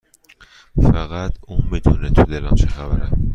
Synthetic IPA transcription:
fæɣæt̪ʰuːmid̪uːnet̪ʰud̪elæmt͡ʃʰexævæɾæm

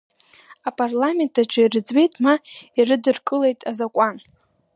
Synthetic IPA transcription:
apʼarlame̞ntʰʼaʈ͡ʂʰʼairɨd͡zwe̞jtʼmairɨdɨrkʼɨle̞jtʼazakʷʼan

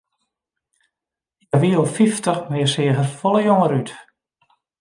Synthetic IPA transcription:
jaʋiəlˠfiftəχmɪəsɪəɣərfɔləjoŋəɾyt

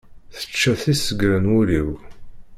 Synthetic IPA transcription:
θə̥t͡ʃːæθisəɡɾənʊɾiw

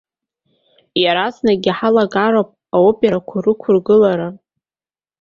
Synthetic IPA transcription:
jaɾaznaɡʲiħalaɡaɾowpʼ | aubjaɾakʷʰʊrɨkʷʰʊrɡɨlaɾa

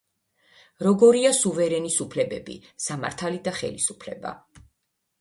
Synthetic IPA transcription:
ɾɔɡɔɾiasuvɛɾɛnisupʰlɛbɛbḭsama̰ɾt̪ʰalid̪aχɛ̰lisupʰlɛ̰ba̰

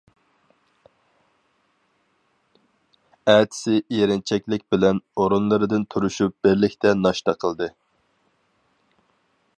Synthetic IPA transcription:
ɛt̪ʰɪ̥sɪʔeɾɪnt͡ʃʰɛkʲlɪk̚ʲbɪlɛnoɾunlˠɨɾɨd̪ɨnt̪ʰuɾuʃup̚bɪɾlɪkʲt̪ʰɛnɑʃt̪ɑqʰəlˠd̪ɨ

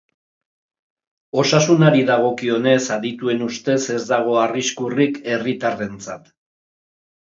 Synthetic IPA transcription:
o̞sasunaɾiðaɣo̞kio̞ne̞saðit̪ue̞nust̪e̞se̞zd̪aɣ̞o̞ariskurike̞rit̪are̞nt͡sa̰t̪

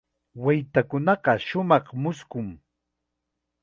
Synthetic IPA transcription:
wajt̪akʊnɑɢɑʃʊmɑχmʊskʊŋ

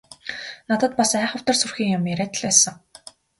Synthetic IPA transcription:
nat̪ə̆t̪̚pasæːχə̆w̥t̪ə̆rsurxiːŋjʊmjæɾæːt̪ə̆ɮpæːsə̆ŋ

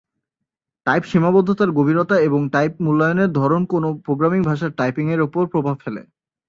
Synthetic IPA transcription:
ʈajpʃimabod̪ʱːot̪aɾɡobʱiɾot̪aeboŋʈajp̚mulːajoneɾd̪ʱɔɾonkonopɾoɡɾamiŋbʱaʃ̬aɾʈajpiŋeɾupoɾpɾobʱabfelḛ

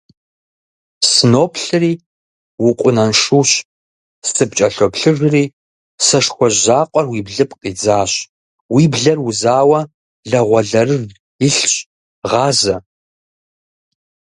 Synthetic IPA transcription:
sɨnoːpʰɬɨriː | wʊqʷʼʊnɐnʂuːɕ | sʼɨpt͡ʃʼɐɬopɬɨʐriː | sɐʂxʷɔʑaːqʷʼɔrwiːbɮɨpqʼiːd͡zaːɕ | wiːbɮɐruzaːwɐ | ɮɐʁʷɔɮɐɾɨr | ɪɬɕʼ | ʁɑːzɐ

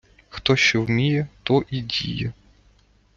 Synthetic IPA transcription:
xt̪ɔʃt͡ʃɔwmʲijɛt̪ɔʔidʲḭjɛ

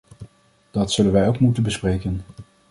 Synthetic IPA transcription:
d̥ɑtsɵlənʋɛjowkmutənbəsprejkən

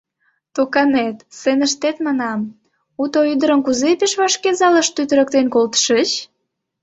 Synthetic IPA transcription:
t̪okɑnet̪senəʃt̪et̪mɑnɑm | ut̪oyd̪əɾənkuzepeʃβɑʃkezɑləʃt̪yt̪ə̆ɾə̆k̚t̪enkolt̪ə̥ʃət͡ɕ

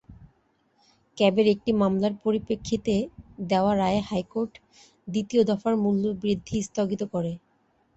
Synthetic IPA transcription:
kɛbeɾek̚ʈimamlaɾpoɾipekʰːit̪ed̪eoaɾaehajkoɾʈ | d̪it̪iod̪ɔfaɾmulːoɾbɾid̪ʱːist̪ʰoɡit̪okɔɾe

